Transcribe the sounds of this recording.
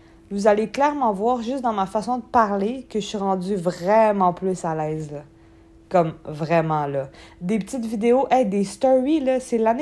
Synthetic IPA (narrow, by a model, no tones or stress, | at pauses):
vuzaleklɛʁmɑ̃vwaːʁʒʏst̪d̪ɑ̃mafasɔ̃d̪əpaʁlekəʒəsɥiʁɑ̃dd͡zyvʁɛmɑ̃plysalɛːzlɔ | kɔmvʁɛmɑ̃lɔd̪epət̪it̪vid̪eoʔɛd̪est̪ɔʁilʌsɛlan